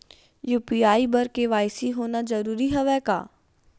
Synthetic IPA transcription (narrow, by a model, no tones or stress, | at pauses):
juːpiaːibəɾkeʋaːjsiɦoːnad͡ʒɐɾuːɾiɦɛʋɛka̰ː